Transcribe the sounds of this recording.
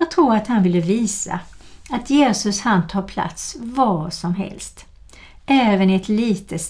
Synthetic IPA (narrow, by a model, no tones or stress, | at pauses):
jɑːt̪ʰɾuːɾat̪hanvɪlːəviːsa̰at̪ʰjeːsɵshant̪ʰɑːpʰla̰t̪svɑːʂɔmɦɛ̰lst̪ | ʔɛːvənɪɛt̪liːt̪ʰəs